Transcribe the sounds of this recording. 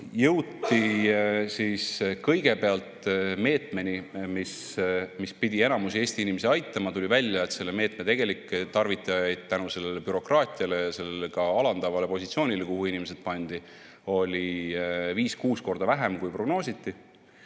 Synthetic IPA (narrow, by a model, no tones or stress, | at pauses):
jɤwt̪ːˑisiːskɤ̞jɡ̥e̞pe̞ɑlt̪me̞ːt̪ˑme̞nʲimis | mispid̪̥ʲie̞nɑmusie̞ːsʲt̪iinimeseɑjt̪ːˑɑmɑt̪ulʲivælʲːjɑet̪se̞lːeme̞ːt̪met̪e̞ɡ̥e̞likːˑt̪ɑrvit̪ːˑɑjɑjd̪̥̚t̪ːænuse̞lːelepyɾo̞krɑːt̪ʲˑiɑle̞jɑse̞lːelekɑɑlɑnd̪̥ɑvɑle̞po̞sʲit̪sio̞ːnʲile̞kuhuinʲimesed̪̥pɑnʲd̪̥i | o̞lʲiviːskuːsko̞rd̪ɑvæɦe̞mkujpro̞ɡ̥no̞ːsit̪ːi